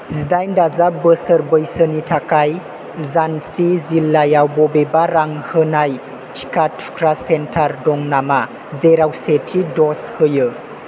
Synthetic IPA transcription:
z̥idajndazabəsəɾbəjsənitʰakaj | zansizilːajawbɔbebaɾaŋhɯnaj | tʰi̥katʰu̥kʰɾasentʰaɾdɔŋnama | zeɾawsetʰidɔshɯjɯ

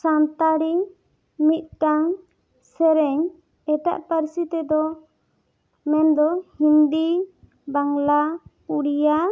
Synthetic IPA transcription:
sant̪aɾi | mit̪̚ˀʈaŋ | sɛɾɛɲ | ɛt̪a̰ʔpəɾsit̪ɛd̪ɔ | mɛnd̪ɔhind̪i | baŋla | uɽija

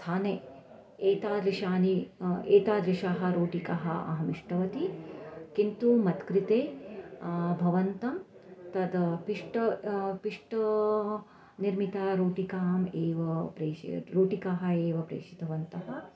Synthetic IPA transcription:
t̪ʰaːneː | eːt̪aːd̪ɾiʃaːnieːt̪aːd̪ɾiʃaːɦɐ̆ɾoːʈikaɦɐʔɐ̰ɦɐmiʂʈɐʋɐt̪ikint̪umɐt̪kɾit̪eː | bʱɐʋɐnt̪ɐm | t̪ɐd̪piʂʈɐpiʂʈɐ | niɾmit̪aːɾoːʈikaːmeːʋɐpɾeːḭɾoːʈikaːɦɐ̆eːʋɐpɾḛːʃit̪ɐʋɐnt̪ɐɦɐ̆

